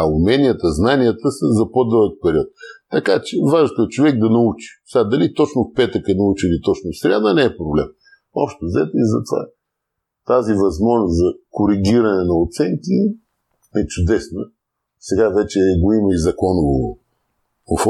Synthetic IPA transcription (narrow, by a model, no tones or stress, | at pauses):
ɐumɛnʲiət̪əznanijət̪əsəzɐpod̪əlˠək̚pɛɾiɔt̪̚ːɐkat͡ʃɛvaʒt̪oɛt͡ʃovɛɡ̚d̪ɐnɐut͡ʃi̥sɛad̪ɐlit̪ɔt͡ʃnʊfpɛt̪əkɛnɐut͡ʃilit̪ɔt͡ʃnʊfsɾʲad̪ənɛɛpɾoblɛm | ɔpʃt̪ozɛt̪izɐt̪ova̰ | t̪azivɐzmɔʒnʊszɐkʊɾiɡʲiɾɐnɛnɐot̪sɛŋki | ɛt͡ʃʊd̪ɛsnə | sɛɡavɛt͡ʃɛɡoiməizɐkɔnʊvo | ofɔ